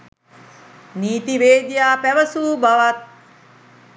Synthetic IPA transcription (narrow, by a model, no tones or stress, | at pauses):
niːt̪iʋeːd̪jaːpæʋəsuːbaʋat̪̚